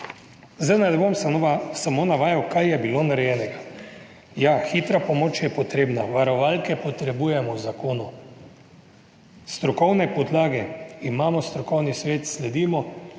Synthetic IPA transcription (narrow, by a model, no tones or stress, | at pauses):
zanad̪bomsamonaʋaːjawkajjɛbiloːnaɾɛjɛːnɛɡa | jaxiːt̪ɾapɔmoːt͡ʃjɛpɔt̪ɾeːbnaʋaɾɔʋalkɛpɔt̪ɾɛbuːjɛmɔwzakoːnu | st̪ɾɔkɔwnɛpɔd̪laːɡɛimaːmɔst̪ɾɔkɔwnisʋeːt̪slɛd̪iːmɔ